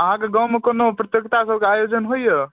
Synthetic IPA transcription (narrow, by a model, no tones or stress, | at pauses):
əɦãkeɡawmekonopɾət̪jəkt̪asəb̚ʱkeajod͡ʒənɦojjə